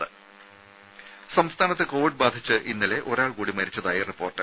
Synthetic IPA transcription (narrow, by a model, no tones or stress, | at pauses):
ɨ | sɐmst̪ʰaːnɐt̪ːe̞ko̞ːʋiɖ̚baːd̪ʱit͡ɕːɨʔinːɐle̞ʔo̞ɾaːɭkuːɽimɐɾit͡ɕːɐðaːjiripːo̞ːrʈːɨ